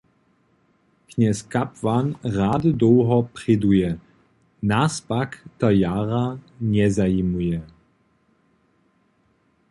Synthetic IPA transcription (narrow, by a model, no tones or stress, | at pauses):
kɲɛskapvanʁaːdɨd̪ɔwɦɔprɪdujɛ | naspakt̪ajaːʁaɲɛzaimujɛ